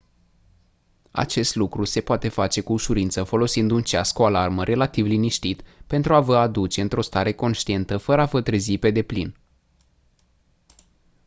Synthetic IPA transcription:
a̰t͡ʃe̞st̪lukɾuse̞poat̪e̞fat͡ʃe̞kuːʃuɾint̪səfo̞lo̞sind̪unt͡ʃaskoalarməɾʔe̞lat̪ivliniʃt̪it̪pe̞nt̪ɾuavəad̪ut͡ʃe̞ɨnt̪ɾʔo̞st̪aɾe̞ko̞nʃt̪ie̞nt̪əfəɾəafət̪ɾəzipe̞d̪e̞plin

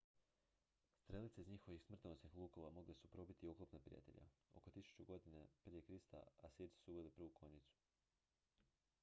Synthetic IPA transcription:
st̪ɾe̞lit̪seizɲixo̞ʋixsmr̩t̪nosnixlˠuːko̞ʋamo̞ɡlesupɾo̞bit̪iuklˠopnapɾḭja̰t̪e̞̰ʎa̰o̞̰ko̞t̪isu̥t͡ʃuɡo̞d̪inepɾijekɾist̪a̰asiːɾt̪i̥suuʋe̞lipɾʋukʰo̞ɲit̪su̥

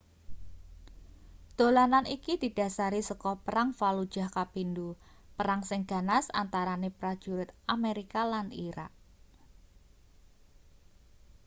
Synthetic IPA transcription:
d̪̥o̤lananikid̪̥i̤d̥a̤saɾisəkɔpəɾaŋfalud̥ʒ̥a̤hkapindupəɾaŋsɪŋɡ̥a̤nasa̰nt̪aɾanepɾad̥ʒ̥uɾʊt̪ameɾikalaniɾa̰k̚

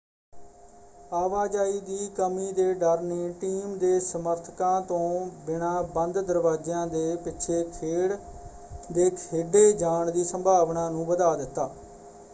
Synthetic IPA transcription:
aːʋaːd͡ʒaːiːd̪iːkəmiːd̪eːɖəɾneːʈiːmd̪eːsəməɾt̪ʰkãːt̪õːbɪɳãːbənd̪d̪əɾʋaːd͡ʒãːd̪eːpɪʃʰeːkʰeːɽ | d̪eːkʰeːɖeːd͡ʒaːɳd̪iːsəmbʱaːʋnãːnũːbəd̪aːd̪ɪt̪ːaː

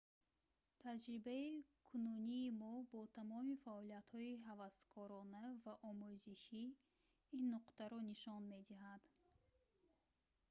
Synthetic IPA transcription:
t̪ʰad͡ʒɾibaikʰununiːmɔbɔt̪ʰamɔmifaɔliat̪hɔiɦavast̪kʰɔɾɔnavaʔɔmuziʃi | inːuqt̪aɾɔniʃɔnmed̪iɦad̪̥

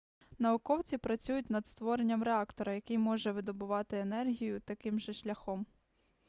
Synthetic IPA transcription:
nɐʊkɔwt͡sʲipɾɐt͡sʲujʊtʲnɐd̪st̪ʋɔɾenʲːɐmɾɛɑkt̪ɔɾɐjɐkɪjmɔʒɛʋɪd̪ɔbʊʋɑt̪ɪenɛrɦʲijʊt̪ɐkɪmʒɛʃlʲɐxɔm

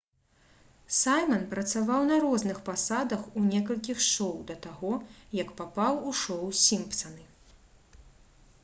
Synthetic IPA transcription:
sajmɐnpɾɐt̪savawnɐɾɔznɨxpasad̪ɐxunʲɛkɐlʲkʲixʂɔwd̪ɐt̪aɣɔjɐkpapawuʂɔwsʲimpt̪sɐnɨ

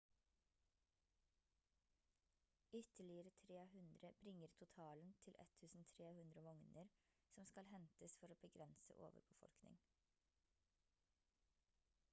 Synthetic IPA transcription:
ʏt̪əɭɪəɾət̪ʰɾeːhʉnd̪ɾəbɾɪŋəɾt̪ʰʊt̪ʰɑːln̩t̪ʰɪlʔɛ̰t̪ʰːʉːsn̩t̪ʰɾeːhʉnd̪ɾəʋɔŋnəɾ | sɔmskɑlhɛnt̪əsfɔɾoːbəɡɾɛnsə̰ʔo̰ːʋə̰ɾbəfɔ̰lknɪ̰ŋ

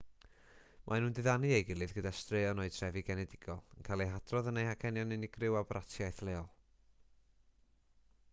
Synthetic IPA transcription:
mʔanuːndɨðanɨejɡɪlˠɨðɡədastreːɔnoːɨtʰr̥ɛvɨɡɛnɛdɪɡ̥ɔlˠənkʰalˠeɦad̥rɔðənejhakʰɛnjɔnɨnɪɡrɪwabrʔatʰjajθlˠeːɔlˠ

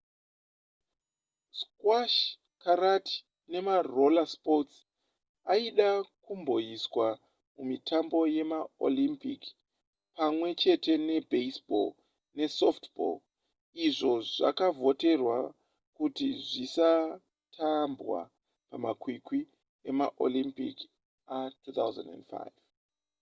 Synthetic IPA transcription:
skwaʃ | karati̥ | ne̞maro̞laspots | aiɗakumbo̞jiswa | mumitʰambo̞je̞mao̰limpik | pamwe̞t͡ʃe̞te̞ne̞beisbo̰l | ne̞softbo̰l | iʐo̞ʐa̰kavo̞te̞rwa | kutiʐisa | tʰambwa̰ | pamakwikwi | e̞maʔo̰limpḭk | atut̪awza̰ndḛndfa̰jv

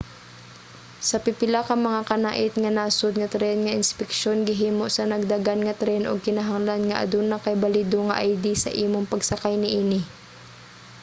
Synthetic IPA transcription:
sɐpɪpɪlakɐmɐŋakɐna̰ːʔɪt̪ŋɐnaːsʊd̪̚ŋɐt̪ɾɛnŋɐʔɪnspɪkʃonɡɪɦiːmoʔsɐnɐɡ̚d̪aɡanŋɐt̪ɾɛnʔo̰ɡ̚kɪnɐɦaŋlanŋɐʔɐ̰d̪unɐkɐjbɐliːd̪oŋɐʔajd̪isɐ̰ʔiːmoŋpɐɡsɐkajnɪʔiːnɪ

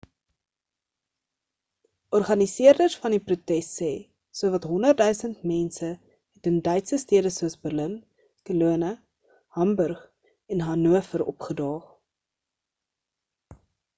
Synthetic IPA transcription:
ʔɔrχɐnisiərdərsfɐndiprutɛstːɛː | suəvɐtɦɔndərdœɥsəntmɛnsə | ɦɛtəndœɥtsəstiədəsuəsbərlən | kəluənə | hɐmbœrχ | ɛnɦɐnuəfəɾɔ̰pχədɑːχ

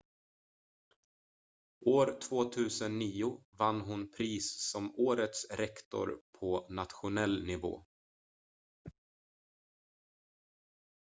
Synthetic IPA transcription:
ʔoːɾt̪ʰvoːt̪ʰʉ̟ːsənːiːʊvanːɦʊnpʰɾiːssɔmoːɾət̪sɾɛkt̪ɔ̰ɾpʰɔnat̪ɧʊnɛlːnɪvo̰ː

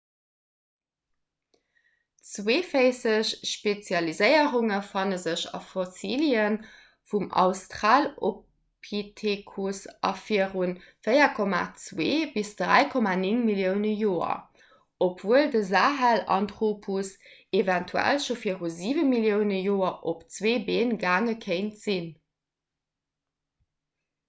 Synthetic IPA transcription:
t͡sweːfəɪsəɕʃpet͡sjɑlizəɪəʁuŋəfɑnəzəɕɑ̰fosiːljən | fumʔɑ̰ʊstʁaːlo | pʰitʰekʰusʔɑ̰fiəʁunfəɪɐkʰɔma̰t͡sweːbisd̥ʁæ̰ɪkʰɔmaniŋmiljəʊnəjoːɐ̰ | opv̥uəldəzaːɦælɑ̰ntʁoːpʰusevæntʰuæ̰lʃofiəʁuziːvəmiljəʊnəjoːɐʔopt͡sweːbeːnɡaːŋəkʰəɪntz̥in

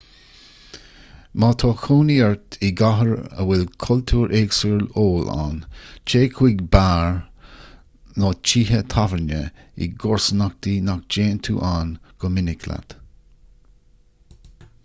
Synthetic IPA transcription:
maːt̪ʰɔːkʰuːniɛɹt̪ʰiɡaɦəɹə̰wɪlkʰɔlt̪ʰuːɹʔeːɡsəɹloːla̰ːnt͡ʃʰeːkʰwiɡbaːɹ | nɔt͡ʃiːɦət̪ʰavəɹnə | ḭɡɔɹsənak̚t̪inak̚d͡ʒeːnt̪ʰṵːʔaːnɡ̥ɔmɪnɪkʰla̰t̪

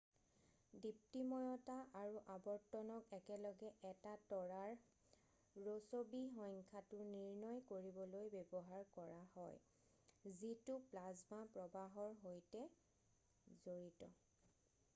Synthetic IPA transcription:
dip̚timɔjɔtaʔaɹuʔabɔɹtɔnɔkɛkɛlɔɡɛʔɛtatɔɹaɹ | ɹosobiɦɔjŋkʰatʊniɹnɔjkoɹibɔlojbebɔɦaɹkɔɹahɔ̰j | zitʊplazmapɹɔbaɦɔɹɦojtɛ | zoɹitɔ

